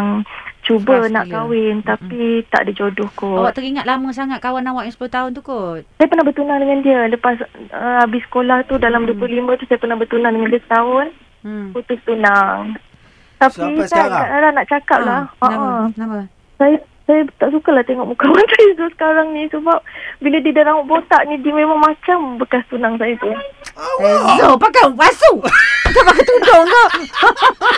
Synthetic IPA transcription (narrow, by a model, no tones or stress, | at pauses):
ŋt͡ʃubənaʔkawɪnt̪apit̪a̰ʔdid͡ʒodʊhkowaʔt̪əɾiŋat̪lamə̃s̬aŋat̪̚kawanːawaʔjãsə̥pulʊht̪aʊnt̪ukosajapərnahbərt̪unaŋdəŋãndiələpasəabɪsːə̥kolaht̪udalamduəplʊhlimə̃t̪usajapərnahbərt̪unaŋdəŋandust̪aʊn | kut̪ʊst̪unaŋ | t̪apisajk̪aʔdalanaʔt͡ʃakap̚lahəʔa | saja | sajat̪aʔsukalaht̪eŋɔʔmukawansajat̪usə̥kaɾaŋnisəbap̚bilədidaɾaŋʊʔbot̪aʔnidiəmẽmaŋmat͡ʃambəkast̪unaŋsajat̪u | ɡapakawasusapakat̪ud͡ʒɔŋkaʔ